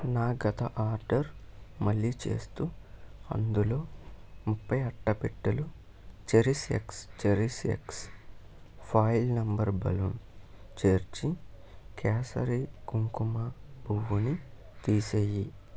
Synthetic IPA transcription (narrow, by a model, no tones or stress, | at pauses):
naːɡɐt̪ɐʔaːɾɖɐɾmɐɭːit͡ʃe̞̰ːst̪uːɐ̰nd̪ulo̞ːmupʰːɐjɐʈːɐpiʈːɐlu | t͡ʃeɾisḛkst͡ʃeɾisḛks | pʰaːjlnɐmbɐɾbɐ̰lun | t͡ʃeːɾt͡ʃi | kʰɛːsɐ̰ɾiɡuŋkumɐbʱuʋuni | t̪iːseːji